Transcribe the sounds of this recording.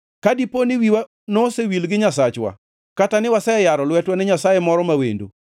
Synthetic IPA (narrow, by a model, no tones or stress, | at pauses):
kadiponɪwiwa | nosewilɡɪɲasat͡ʃwa̰ | katanɪwasɛjaɾɔlwɛtwanɪɲasajɛmɔɾɔmawḛndo̰